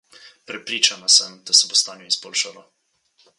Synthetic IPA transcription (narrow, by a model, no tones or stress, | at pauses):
pɾɛpɾiːt͡ʃanasəmd̪asɛbost̪aːnjɔizboːlʃalɔ